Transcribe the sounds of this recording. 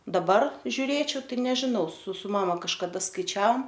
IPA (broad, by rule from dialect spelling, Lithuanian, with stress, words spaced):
dɐˈbɐr ʒʲʊˈrʲeːt͡ʃʲɛʊ ˈtɐɪ nʲɛʒʲɪˈnɐʊ sʊ sʊ ˈmɑːmɐ kɐʃkɐˈdɐ skɐɪˈt͡ʃʲɛoːm